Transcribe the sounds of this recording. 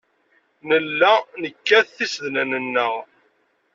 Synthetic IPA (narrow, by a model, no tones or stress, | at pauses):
nəlːænəkːæθθisðnænənːəʁ